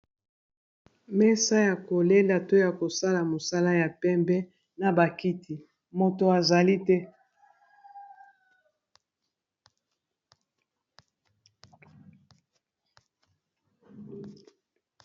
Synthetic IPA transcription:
mɛ˦sa˦ja˨ko˨le˦lda˨to˦ja˨ko˨sa˦la˨mo˨sa˦la˦ja˨pɛ˦mbɛ˦ | na˨ba˨ki˦tʰi˨ | mo˨to˨a˨za˨li˦tɛ˦

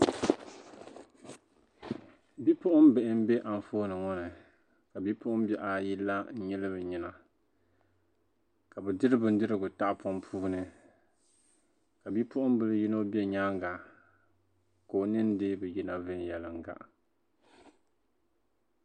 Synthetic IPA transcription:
bi˦pʊ˦ʔʊ˦m˦bɛ˨ʔɪ˦m̩˦bɛ˦ʔa˨n˨foː˦nɨ˨ŋɔ˦nɨ˨ | ka˨bi˦pʊ˦ʔʊ˦m˦bɛ˦ʔa˨ji˦lːa˦n̩˦ɲɛ˦lɨ˦bɨ˨ɲi˦na˨ | ka˨bɛ˨dɨ˦ɾɨ˦bɨ˨n˦dɨ˦ɾɨ˦ɡʊ˨ta˦ʔpɔ˦mpʰuː˦nɨ˨ | ka˨bi˦pʰʊ˦ʔʊ˦m˦bɨ˦lɨ˦ji˦no˦bɛ˦ɲaː˦ŋɡa˨ | ko˨nɨ˦n˦dɨ˦bɛ˨ji˦na˦vɨ˦njɛ˨lɨ˨ŋ˨ɡa̰˨ʔ

